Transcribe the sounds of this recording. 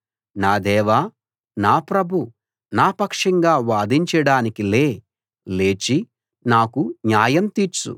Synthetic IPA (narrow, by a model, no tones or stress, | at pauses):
naːd̪ɛːʋa | naːpɾɐbʱu | naːpɐkʂɐŋɡaːʋaːd̪iɲt͡ʃɐɽaːnikile̞ː | le̞ːt͡ʃi | naːkuɲjaːjɐmt̪iːɾt͡ʃṵ